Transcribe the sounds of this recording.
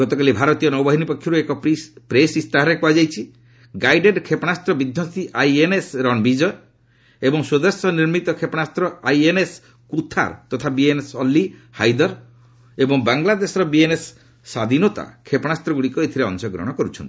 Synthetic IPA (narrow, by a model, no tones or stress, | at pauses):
ɡɔt̪ɔkalibʱaɾɔt̪ijɔnɔwbaɦinipɔkʰjɔɾuekɔpɾesist̪aɦɔɾekuad͡ʒajt͡ʃʰi | ɡajɖeɖkʰepɔnast̪ɾɔbid̪ʱjɔst̪iʔajenesɾɔnbid͡ʒɔe | ebɔŋsod̪esjɔniɾmit̪ɔkʰepɔnast̪ɾɔajenes | kut̪ʰa̰ɾt̪ɔt̪ʰabienesɔlːihajd̪ɔɾ | ebɔŋbaŋlad̪esɔɾɔbienesː | ad̪inot̪a̰kʰepɔnast̪ɾɔɡuɽikɔet̪ʰiɾeɔ̰ŋsɔɡɾɔ̰ɽ̃ɔkɔɾut͡ʃʰɔ̰nt̪i̥